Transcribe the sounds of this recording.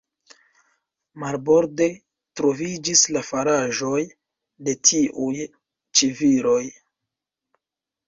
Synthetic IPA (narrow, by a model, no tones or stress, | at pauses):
maɾbo̞ɾde̞ | tɾo̞vid͡ʒislafaɾaʒo̞j | de̞tʰiʔuj | t͡ʃiviɾo̞j